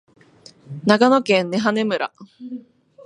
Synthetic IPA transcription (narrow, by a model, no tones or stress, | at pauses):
nakanokẽ̞nːe̞ɦane̞mɯ̟ɾa̰